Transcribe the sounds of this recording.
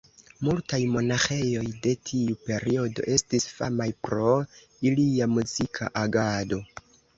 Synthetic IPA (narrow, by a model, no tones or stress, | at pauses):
multajmo̞naxe̞jo̞jde̞tʰiupe̞ɾio̞do̞̰ʔe̞stisfa̰majpɾo̞ | iliamuzikʰa̰ʔaɡado̞